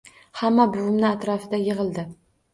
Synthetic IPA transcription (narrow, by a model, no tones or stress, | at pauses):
hamːabʊwɪmnɪat̪ɾɒfɪd̪ajɨʁɨlˠd̪ɪ